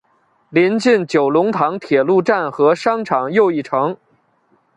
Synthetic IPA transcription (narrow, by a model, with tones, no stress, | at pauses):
li˧˥nt͡ɕi˥˩nt͡ɕjo˨˩ʊlʊ˧˥ŋt̪ʰɑ˧˥ŋt̪ʰjɛ˨˩lu˥˧ʈ͡ʂa˥˩nxɤ˧˥ʂɑ˥ŋʈ͡ʂʰɑ˨˩ŋjo˥˧ʊi˥˩ʈ͡ʂʰɤ˧˥ŋ